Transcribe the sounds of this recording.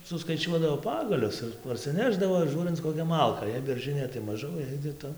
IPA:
sʊskɐɪˈt͡ʃʲuɔdɐʋoː ˈpɑːɡɐlʲʊs ɪr pɐrʲsʲɪˈnʲæːʒdɐʋoː ɪr ˈʒuːrʲɪnt͡s koːˈkʲɛ ˈmɐlˠkɐ jɛɪ bʲɛrˈʒɨnʲeː tɐɪ mɐˈʒɐʊ jɛɪ kʲɪˈtɐ

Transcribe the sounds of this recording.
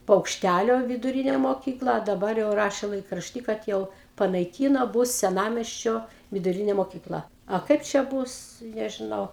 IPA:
pɐʊkʃʲˈtʲælʲoː ʋʲɪdʊˈrʲɪnʲeː moːˈkʲiːklˠɐ ɐ dɐˈbɐr jɛʊ ˈrɑːʃʲɛ lˠɐɪkrɐʃʲˈtʲiː kɐt ˈjɛʊ pɐnɐɪˈkʲiːnoː ˈbʊs sʲɛˈnɑːmʲiɛsʲt͡ʃʲoː ʋʲɪdʊˈrʲɪnʲeː moːkʲiːˈklˠɐ ɐ ˈkɐɪp t͡ʃʲɛ ˈbuːs nʲɛʒʲɪˈnɐʊ

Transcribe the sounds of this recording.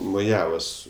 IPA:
moːˈjæːʋoːs

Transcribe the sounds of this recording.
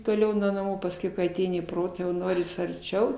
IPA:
toːˈlʲɛʊ nuɔ nɐˈmuː pɐsʲˈkʲɛʊ kɐɪ ɐˈtʲɛɪnʲɪ iː ˈproːtɑː jɛʊ ˈnoːrʲɪs ɐrʲˈt͡ʃʲɛʊ

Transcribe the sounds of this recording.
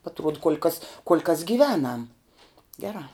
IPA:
ɐtˈruɔt kuɔlʲ kɐs kuɔlʲ kɐs ɡʲɪˈʋʲæːnɐm ˈɡʲæːrɑː

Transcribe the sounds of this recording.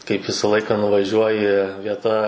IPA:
kɐɪp ˈʋʲɪsɐ ˈlˠɐɪkɑː nʊʋɐˈʒʲuɔjɪ ʋʲiɛˈtɐ

